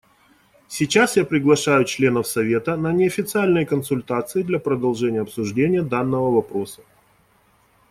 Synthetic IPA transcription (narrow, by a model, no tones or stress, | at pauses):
sʲɪt͡ɕasjapɾʲɪɡlˠɐʂajʊt͡ɕlʲe̞nəfsɐvʲe̞t̪ənənʲɪɐfʲɪt̪sɨalʲnɨjəkənsʊlʲt̪at̪sɨɪd̪lʲɐpɾəd̪ɐlˠʐɛnʲɪjəɐpsʊʐdʲenʲɪjəd̪anːəvəvɐpɾo̞sə̥